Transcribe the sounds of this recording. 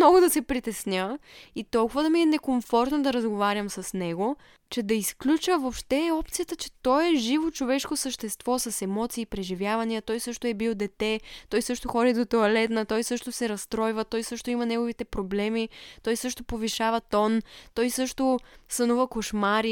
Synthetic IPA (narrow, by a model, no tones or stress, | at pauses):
ɔɡʊd̪ɐsɛpɾit̪ɛsnʲəit̪ɔlˠkʊvəd̪ɐmiɛnɛkoɱfɔɾt̪nod̪ɐɾɐzɡovaɾʲjəmsɐsnɛɡo | t͡ʃɛd̪ɐisklʲut͡ʃəvopʃt̪ɛɔp̚t̪sijət̪ət͡ʃɛ̥t̪ɔjɛʒivot͡ʃovɛʃkosəʃt̪ɛst̪vɔsɐsɛmɔt̪siːpɾɛʒivʲjavɐniət̪ɔjsɤʃt̪oɛbilˠd̪ɛt̪ɛt̪ɔjsɤʃt̪oxɔd̪id̪ot̪oɐlɛt̪nət̪ɔjsɤʃt̪osɛɾɐst̪ɾɔjvɐt̪ɔjsɤʃt̪oimɐnɛɡovit̪ɛpɾoblɛmit̪ɔjsɤʃt̪opoviʃavɐt̪ɔnt̪ɔjsɤʃt̪osɐnuvəkoʃmaɾi